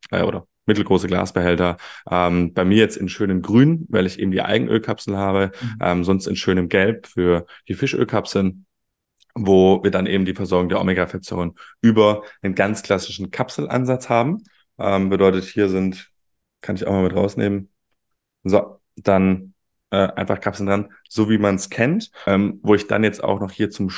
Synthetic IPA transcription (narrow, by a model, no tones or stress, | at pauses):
ʔɛ̰ʔo̰ːɾɐ | mɪtl̩ɡʁoːsəɡla̰ːsb̥əɦɛltɐʔɛːmb̥aɪmiːɐjɛt͡stɪnʃøːnəmɡʁyːnvaɪlɪçʔḛːbm̩diːʔa̰ɪɡŋ̩ʔø̰ːlkʰapsl̩ɦaːbəʔɛ̰ːmzɔnstɪnʃøːnəmɡɛlpfyːɐd̥iːfɪʃʔø̰ːlkʰapsl̩n | voːviːɐdanʔeːbm̩diːfɛɐzɔɐɡʊŋdeːɐɔ̰meɡafɛt͡sɔʁənʔyːbɐnənɡant͡skl̥asɪ̥ʃn̩kʰapsl̩ʔa̰nzat͡shaːbm̩ | ʔɛːmbədɔʏtəthiːɐzɪnt | kʰanɪçaʊxmaːmɪtʁa̰ʊsnḛːmən | zo | d̥an | ʔɛːʔaɪnfaχkʰapsl̩ndʁan | z̥oːviːmanskʰɛntʔɛːmvoːɪçd̥a̰njɛt͡sta̰ʊxnɔχhiːɐt͡sʊm